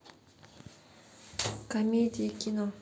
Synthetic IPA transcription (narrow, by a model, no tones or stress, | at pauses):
kamʲid̪ikʲino